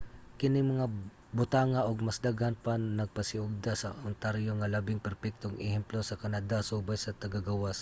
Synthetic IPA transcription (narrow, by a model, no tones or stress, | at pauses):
kɪnɪŋmɐŋa | bʊt̪aːŋaʔoɡ̚mɐsd̪aɡhanpannɐɡ̚pɐsɪʔʊɡ̚d̪asɐ̰ʊnt̪aɾjoŋɐlabɪŋpɛɾpɛk̚t̪oŋɛhɛmplosɐkɐnad̪asuːbajsɐt̪ɐɡaɡawas